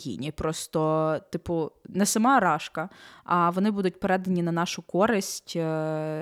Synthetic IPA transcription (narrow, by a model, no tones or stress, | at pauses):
jʲḭnʲipɾɔst̪ɔt̪ɪpʊnɛsɐmɑɾɑʃkɐɐʋɔnɪbud̪ʊtʲpeɾɛd̪ɐnʲinɐnɑʃʊkɔɾɪsʲtʲ